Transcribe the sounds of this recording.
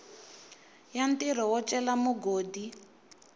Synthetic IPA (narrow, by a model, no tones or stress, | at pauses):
jantiɾɔwɔt͡ʃʼɛlamuɡoːdi